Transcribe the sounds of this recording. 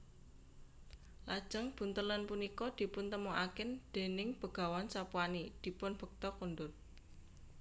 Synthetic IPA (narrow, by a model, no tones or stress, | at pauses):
lad̥ʒ̥ə̤ŋb̥ṳnt̪ələnpunikɔd̪̥i̤pʊnt̪əmɔʔakɪnd̪̥e̤nɪŋb̥ə̤ɡ̥a̤wansapuanid̪̥i̤pʊnb̥ə̤k̚t̪ɔkunɖʊt̪̚